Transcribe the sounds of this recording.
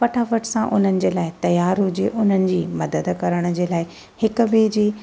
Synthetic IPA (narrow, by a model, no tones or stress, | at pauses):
pɐʈʰaːfəʈʰsãʔʊ̰n̤ənɪ̆d͡ʑeːlaːɪt̪ɐjaːɾud͡ʑeːʔʊn̤ənɪ̆d͡ʑiːmɐd̪əd̪kɐɾəɽ̃ə̆d͡ʑeːlaːɪ | hɪkʊbɪd͡ʑiː